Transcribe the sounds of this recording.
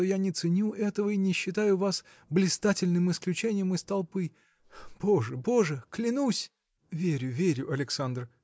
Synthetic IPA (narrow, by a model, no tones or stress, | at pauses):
ojanʲɪt̪sɨnʲuʔɛt̪əvəinʲɪɕːɪt̪ajʊvas | blʲɪst̪atʲɪlʲnɨmɪsklʲʉt͡ɕenʲɪjəmɨst̪ɐlˠpɨ | b̥oʐəbo̞ʐəklʲɪnusʲ | vʲeɾʲʊvʲeɾʲʊɐlʲɪksand̪r